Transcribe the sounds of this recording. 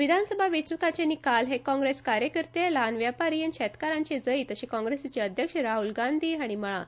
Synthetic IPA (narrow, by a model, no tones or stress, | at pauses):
ʋid̪ʱansəbʱaʋet͡sukat͡ɕenikalɦekɔ̃ŋɡɾeskaɾjəkəɾt̪elanʋjapaɾiənɕɛt̪kaɾãɲt͡ɕed͡zəiːt̪əɕikɔ̃ŋɡɾesat͡ɕeəd̪ʱjəkʂəɾaɦulɡand̪ʱiːaɽ̃iməɭa